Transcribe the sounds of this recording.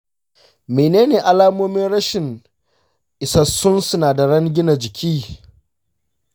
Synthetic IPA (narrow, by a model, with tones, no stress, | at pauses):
meː˨neː˦neː˨ʔa˨laː˦moː˦mɪ˦nɽɐ˦ʃɪ˨ŋ | ʔɪ˨sɐ˦sʊ˦nsʊ˦naː˨da˨ɽɐ˦ŋɡʲɪ˦na˨d͡ʒɪ˨kʲʰiː˦